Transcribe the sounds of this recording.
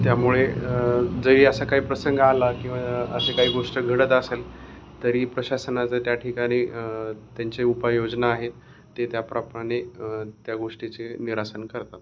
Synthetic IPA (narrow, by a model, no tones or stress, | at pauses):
t̪jamuɭe | d͡zəʋiːəsakaɦiːpɾəsəŋɡəalakĩw̃ʋaəsekaɦiːɡoʂʈəɡʱəɽət̪əsel | t̪əɾiːpɾəɕasənat͡sət̪jaʈʰikaɽ̃iːt̪jaɲt͡seupajod͡ʑnaːɦet̪ː | et̪japɾapəɽet̪jaɡoʂʈit͡seniɾasənkəɾt̪at̪